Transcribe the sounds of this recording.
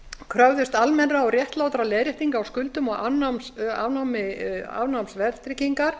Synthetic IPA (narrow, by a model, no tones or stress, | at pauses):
kʰɾœvðʏst̪almɛnraɔrjɛht̪laːwt̪ɾalɛːðɾjɛht̪iŋkaːwskʏlt̪ʏmɔɣa̰nama̰vnawmɪa̰vnawmsvɛɾt̪ɾɪciŋkaɾ̥